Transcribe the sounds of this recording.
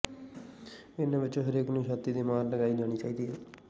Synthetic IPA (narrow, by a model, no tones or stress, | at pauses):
ɪnãːʋɪt͡ʃõːɦəɾeːknũːʃaːt̪iːd̪iːmaːɾləɡaːid͡ʒaːɽ̃iːt͡ʃaːiːd̪iːɦɛː